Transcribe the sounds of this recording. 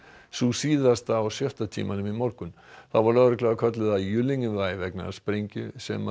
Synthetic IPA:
susiːðast̪aːwsjœht̪at̪ʰḭːmanʏmimɔɾkʏn | θawvaɾlœɣɾʏklaɣakʰœt̪̬lʏðaðjʏlːiɲʏvajvɛkna̰spɾeɲcʏsɛ̰ma

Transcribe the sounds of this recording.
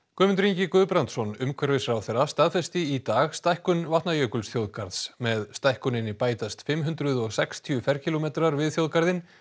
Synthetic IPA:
kʏːmʏnt̪ɾiɲcɪkœðpɾant̪sɔnʏmkʰvɛɾvɪsɾaːwθɛjrːast̪aðfɛst̪ɪit̪aːɣst̪ajhkʏnvaht̪najœːkʏlsθjowðkaɾðsmɛðst̪ajhkʏnɪnːɪpaːjt̪ast̪fɪmɦʏnt̪ɾʏðɔɣsɛkst̪ʰjʏfɛɾ̥cʰilomɛːt̪ɾaɾvɪðθjowðkaɾðɪn

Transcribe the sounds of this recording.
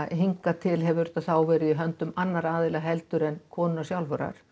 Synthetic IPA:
ɦiŋkat̪ʰɪlɦɛvʏʏɾʏ̥t̪ːaθaːwvɛːɾɪðiɦœnt̪ʏmanːaɾaːðɪlaɦɛlt̪ʏɾɛnkʰɔːnʏnasjawlvœɾa̰ɾ̥

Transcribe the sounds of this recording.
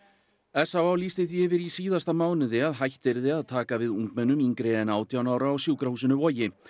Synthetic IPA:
ɛsːawawlist̪ɪθvjɪvɪɾisiːðast̪amaːwnɪðɪaðɦajht̪ɪɾðɪaðt̪ʰaːkavɪðuŋkmɛnːʏmiŋkɾɪɛnaːwt̪ʰjawnaːwɾaːwsjuːwkɾahuːsɪnʏvɔjɪ

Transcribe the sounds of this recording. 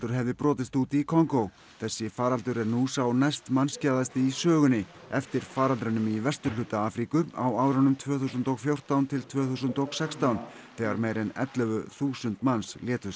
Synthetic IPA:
t̪ʏɾɦɛvðɪpɾɔːt̪ɪst̪uːt̪ikʰɔŋkow | θɛsːɪfaːɾalt̪ʏɾɛɾnusawnajst̪manscaːðast̪ɪisœːɣʏnɪɛft̪ɪɾ̥faːɾalt̪ɾʏnʏmivɛst̪ʏ̥lʏt̪aaːfɾikʏa̰waːwɾanʏmt̪ʰvœːθusʏnt̪ɔɣfjowr̥t̪awnt̪ʰɪlt̪ʰvœːθusʏnt̪oɣsɛkst̪awn | θɛːɣaɾmeːjɾɪnɛ̰t̪lœvʏθuːsʏnt̪mansljɛːt̪ʏɾ̥

